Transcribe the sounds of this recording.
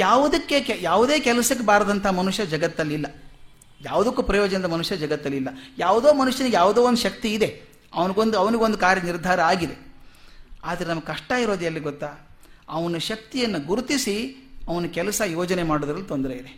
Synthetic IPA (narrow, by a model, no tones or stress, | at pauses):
jaːʋud̪ɐkːe̞kjaːʋud̪e̞ːkɛlɐsɐk̬ːebaːɾd̪ɐnt̪ʰɐɦɐmɐnuʃjɐd͡ʒɐɡɐt̪ːɐlːilːɐ | jaːʋud̪ɐkːuːpɾɐjoːd͡ʒɐnɐd̪ɐmɐnuʂjɐd͡ʒɐɡɐt̪ːɐlːilːɐjaːʋud̪oːmɐnuʂjɐnjaːʋud̪oːond̪uʃɐk̚t̪iːd̪e̞ | ɐʋɐniɡond̪ɐʋɐniɡeo̞nd̪ukaːɾjɐniɾd̪ʱaːɾɐaːɡid̪e̞ | aːd̪ɐɾenɐmɐɡkɐʂʈaiɾo̞ːd̪ɐlːiɡɔt̪ːaː | ɐʋɐnːuʃɐk̚t̪ijɐnːɐɡuɾut̪isiɐʋɐnːukɛlɐsɐjoɔːd͡ʒɐne̞maːɽod̪ɾɐlːit̪ond̪ɐɾeid̪e